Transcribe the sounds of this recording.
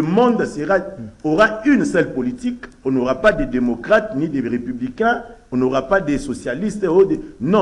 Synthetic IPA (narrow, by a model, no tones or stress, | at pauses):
əmɔ̃nd̪seʁaoʁaynsɛlpolitikonoʁapadedemokʁat̪nideʁepyblikɛ̃onoʁapadesosjalist̪odenɔ̃